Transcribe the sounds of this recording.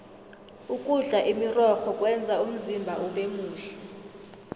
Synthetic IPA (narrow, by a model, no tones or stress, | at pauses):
ukʼuɮaʔimirɔxɔkʼwɛnd͡zʱaum̩zimbʱaʔuɓemuːɬɛ̥